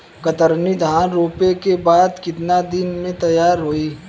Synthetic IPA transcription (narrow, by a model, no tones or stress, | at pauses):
kɐt̪əɾnid̪ʱaːnɾoːpekebaːd̪kɪt̪nad̪ɪnmẽt̪ɐjaːɾɦoːiː